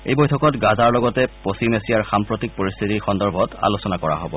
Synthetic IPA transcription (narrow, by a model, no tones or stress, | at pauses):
ḛjbɔjtʰɔkɔtɡazaɹlɔɡɔtɛpost͡ʃimesijaɹxampɹotik̚poɹist̪ʰitixɔndɔɹbʱɔta̰losɔnakɔɹa̰ɦobɔ